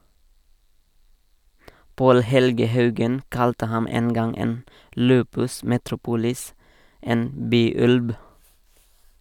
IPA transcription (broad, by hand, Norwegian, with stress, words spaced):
ˈpoːl ˈhɛlɡə ˈhɑʉɡən ˈkɑltə ˈhɑm ˈeːn ˈɡɑŋ ˈeːn ˈlʉːpʉs mɛtɾʊˈpuːlɪs ˈeːn ˈbyːˌʉlb